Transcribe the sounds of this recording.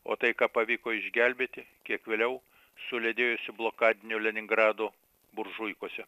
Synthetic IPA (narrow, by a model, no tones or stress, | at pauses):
o̰ːt̪ɐɪkɑːpɐʋʲiːkoːɪʒʲɡʲɛlʲbʲeːt̪ʲɪkʲiɛkʋʲeːlʲɛʊ | sʊlʲed̪ʲeːjosʲɪblˠoːkɑːd̪ʲɪnʲʊlʲɛnʲɪŋɡɾɑːd̪o | bʊrʒʊɪkoɔsʲɛ